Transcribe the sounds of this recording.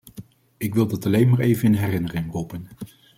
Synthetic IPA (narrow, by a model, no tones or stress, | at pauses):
ɪkʋɪlˠdɑtɑlejnmaːɹejvənɪnɦɛrɪnərɪŋrupən